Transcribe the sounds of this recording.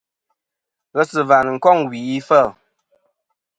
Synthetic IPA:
ɣə˦sɨ˨va˨n˨ŋ̩˨kɔ˦˨ŋwi˨i˦fɛ˦˨l

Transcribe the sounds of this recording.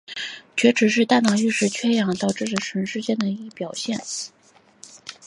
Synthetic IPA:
t͡ɕʰɥɛ˧˥ʈ͡ʂʰɻ̩˨˧˥ʂ̬ɻ̩˥˧t̪a˥˩nɑ˥˩ŋy˥˧ʂɻ̩˥˩t͡ɕʰɥɛ˥jɑ˨˩˦ŋt̪ɑ˥˧ʊʈ͡ʂ̩˥˩ʈ͡ʂə˨˩ʈ͡ʂʰwə˧˥nʂɻ̩˥˧t͡ɕjɛ˥˩nd̪ə˨˩i˧˥˧pjɑ˨˩ʊɕjɛ˥˩n

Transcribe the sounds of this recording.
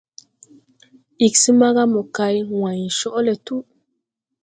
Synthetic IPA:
i˨ksi˦ma˦ɣa˦mo˨ka˨jwã˨ɲ˨ʃɔ˦ʔle˨tu˦

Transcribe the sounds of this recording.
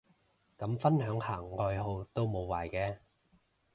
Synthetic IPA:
kɐ˨˥mfɐ˥nhœː˨˥ŋhaː˨˩ŋːɔː˧jɦo˧wt̪o˥wmo˨˧wwaː˨˩jkɛː˧

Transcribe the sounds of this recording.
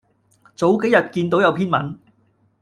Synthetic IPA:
t͡so˨˥wke˨˥jɐ˨t̚kiː˧nt̪o˨˥wjɐ˨˧wpʰiː˥nmɐ̰˨˥n

